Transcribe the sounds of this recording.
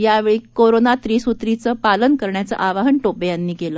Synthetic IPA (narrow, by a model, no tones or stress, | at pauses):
jaʋeɭiːkoɾonat̪ɾiːsut̪ɾit͡səpalənkəɾɳjat͡sə̰ʔaʋaɦəɳʈopejanːiːkeləː